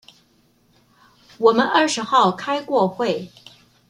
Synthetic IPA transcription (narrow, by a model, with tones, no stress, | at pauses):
wɔ˨˩mə˦nʔə˞˥˩ʂɻ̩˧˥xɑ˥˩ʊkʰa˥ɪkwɔ˥˧xwe˥˩ɪ